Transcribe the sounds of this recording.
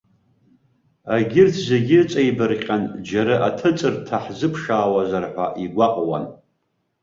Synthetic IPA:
aɡʲɪrtʰze̞ɡʲɪrt͡sʼejbɨrqʲʼand͡ʒaɾaʔatʰɨt͡sʼɨrtʰaħzɨpʰʂaːwazarħʷa̰ʔiɡʷaqʼwa̰n

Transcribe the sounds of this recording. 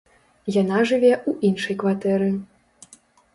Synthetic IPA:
janaʐɨvʲɛuʔinʂɐjkvat̪ɛɾɨ

